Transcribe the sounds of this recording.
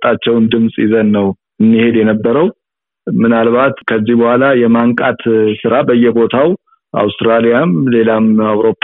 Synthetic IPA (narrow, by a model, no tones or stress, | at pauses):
t̪ʼat͡ʃːɛwnd̪ɨmsʼɪzənːəw | ɨnːihe̞d̪jɛnəbːəɾəw | mɨnalβat̪kʰəzːihbəhʷalajɛmaŋkʼat̪sɨɾabəjːɛbo̞t̪ʰaw | ʔa̰wst̪ɾalijamle̞lamawɾo̞pʼː